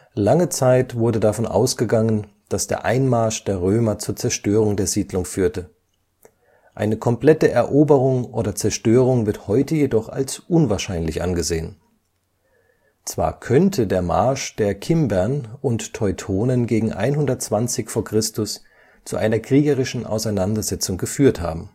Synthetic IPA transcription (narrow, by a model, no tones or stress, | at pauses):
laŋət͡saɪtv̥ʊɐdədafɔnʔa̰ʊsɡ̥əɡaŋənd̥asd̥ḛːɐʔaɪnmaɐʃd̥eːɐʁøːmɐt͡suːɐt͡sɛɐʃtøːʁ̞ʊŋdeːɐziːdlʊŋfyːɐtə | ʔaɪnəkʰɔmpl̥ɛtəʔɛɐʔoːbəʁʊŋʔoːdɐt͡sɛɐʃtøːʁ̞ʊŋvɪɐthɔʏtəjedɔχa̰lsʔʊnvaɐʃaɪnlɪçʔa̰nɡəzeːən | t͡sv̥a̰ːɐkʰœntʰədeːɐma̰ɐʃd̥eːɐkʰɪmbɛɐnʊntʰːɔʏtʰoːnənɡeːɡŋ̩ʔa̰ɪnɦʊndɐt̚t͡sv̥ant͡sɪçfoːɐkʁ̥ɪstʊs | t͡suʔaɪnɐkʁ̥iːɡəʁɪʃn̩ʔa̰ʊsaɪnandɐzɛt͡sʊŋɡəfyːɐtha̰ːbm̩